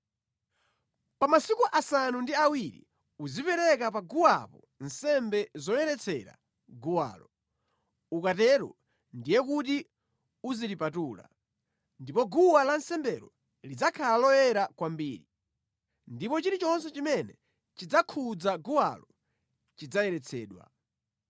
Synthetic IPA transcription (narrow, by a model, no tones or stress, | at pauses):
pamasikuʔasanundiawiɾḭ | uzipɛɾɛkapaɡuwa̰pɔ | nsɛmbɛzɔjɛɾɛt͡sʰɛɾa̰ | ɡuwa̰ːlɔ | ukatɛɾɔ̰ | ndijɛkuti | uzilipatuːla̰ | ndipɔɡuwalansɛmbɛɾɔ | lid͡zakʰalalɔjɛɾakwambiːɾi | ndipɔt͡ʃiɾit͡ʃɔnsɛt͡ʃimɛnɛ | t͡ʃid͡zakʰud͡zaɡuwa̰lɔ | t͡ʃid͡zajɛɾɛt͡sʰɛ̰ːɗwa̰